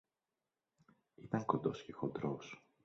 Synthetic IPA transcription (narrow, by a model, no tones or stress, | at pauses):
it̪ɐŋko̞nd̪o̞scexod̪ɾos